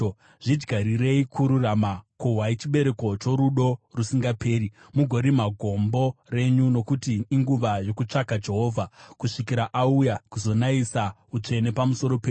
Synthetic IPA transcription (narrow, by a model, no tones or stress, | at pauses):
ʐ̥id͡ʒɡʱaɾire̞ikʰuɾuramakoɦwait͡ʃiɓe̞ɾe̞ko̞t͡ʃo̞ɾuɗo̞rusiŋɡapʰe̞ːɾi | muɡʱo̞ɾimaɡʱo̞mbo̞re̞ɲuno̞kutiːŋɡuʋajo̞kut͡ʂakad͡ʒe̞ɦo̞ːvʱakuʂikiɾaʔaujakuzo̞naisa | ut͡ʂe̞ne̞pamuso̞ɾo̞peː